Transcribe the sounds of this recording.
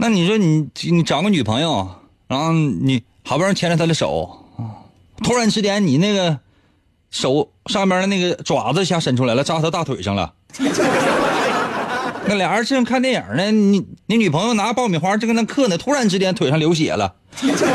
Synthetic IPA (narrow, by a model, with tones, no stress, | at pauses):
na˥˩ni˨˩ʂɔ˥ni˧˩˥ni˧˥ʈ͡ʂɑ˨˩ŋɡə˧ny˨˩pʰɤ˧˥ŋjo˧ʊ˩ | ɻa˧˥nxo˥˧ʊni˨˧˩ | xa˨˧˥pnt͡ɕʰjɛ˥n˥˧˩t̪ʰd̪ə˧ʂo̰˨˩˦ʊ˧ | t̪ʰu˥ɻa˧˥nʈ͡ʂʰɻ̩˥t̪jɛ˥nni˨˩na˥˩ɡə˩ | ʂo˨˩˦ʊ | ʂɑ˥˧ŋi˥mja˥ə˧na˥˩ɡə˩ʈ͡ʂwa̰˨˩d͡zə˧˩ɕja˧˥˩ʂə˧˥nʈ͡ʂʰu˥la˧˥ɪlə˧ʈ͡ʂa˥t̪ʰə˧˥t̪a˥˩t̪ʰwe˨˩ɪʂɑ˥˧ŋlə̰˧˩ | na˥˩ljɑ˨˩ŋə˞˧˥ʈ͡ʂʰɻ̩˥˧ʂə˥ŋkʰa˥˧nt̪jɛ˥˩njɑ̰˞˨˩nə˥˧i˧˥ni˧˥˦ny˨˩pʰɤ˧˥ŋjo˧ʊna˧˥˧pɑ˥˧ʊmi˨˩xwa˥ʈ͡ʂ̩˥˧ɡna˥kʰɤ˥˩nə˩t̪ʰu˥ɻa˧˥nʈ͡ʂʰɻ̩˥t̪ʰjɛ˥nt̪we˨ɪʂɑ˥˧ŋljo˧˥ɕ̬jɛ̰˨˩lə̰˦